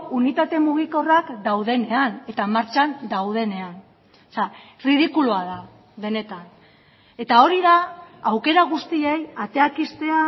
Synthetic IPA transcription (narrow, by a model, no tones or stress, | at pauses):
unit̪at̪e̞muɣ̞iko̞rakd̪awðe̞ne̞ane̞t̪amaɾt͡ʃand̪awð̞e̞ne̞an | sariðikuluaða | ðe̞ne̞t̪an | e̞t̪ao̞ɾiðaawke̞ɾaɣ̞ust̪ie̞jat̪e̞akist̪e̞a